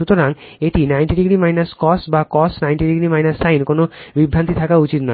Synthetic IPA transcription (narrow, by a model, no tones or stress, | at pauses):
ut̪oɾaŋ | eʈinajnʈiɖiɡɾimajnaskɔsʈbakɔsʈnajnʈiɖiɡɾimajnasːajnkonobibʱːɾant̪it̪ʰakaut͡ɕit̪nɔ